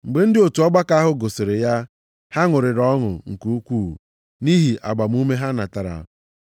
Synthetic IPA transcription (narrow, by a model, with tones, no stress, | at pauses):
ŋ͡m̩˨ɡ͡be˦n̩˦dɪ˦o˨tu˨ɔ˦ɡ͡ba˦ka˦ɦʊ˦ɡo˨se˨ɾɪ˨ja˦ | ha˦ŋʊ˨ɾɪ˨ɾɔ˦ŋʊ̰˨ŋ̩˨ku˦u˦kʷuː˦˨ | ni˦ɦi˨ʔa̰˨ɡ͡ba˨m˦u˦me˦ɦa˦na˨ta˨ɾa̰˨